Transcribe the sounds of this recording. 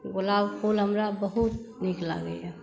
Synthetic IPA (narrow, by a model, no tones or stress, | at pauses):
ɡolawkʰulɦəmɾabəɦut̪nɪkla̰ɡəiɛ